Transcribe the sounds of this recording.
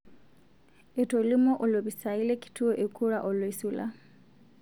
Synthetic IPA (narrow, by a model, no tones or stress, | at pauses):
etolimɔʔɔlɔβisailekʰi̥tʰuɔʔekʰuɺaʔɔlɔisula̰